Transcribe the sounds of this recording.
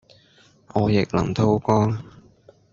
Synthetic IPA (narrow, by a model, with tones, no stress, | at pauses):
ʔɔː˨˧jɪ˨k̚lɐ̰˨˩ŋt̪ʰo˧˥wkɔː˥ŋ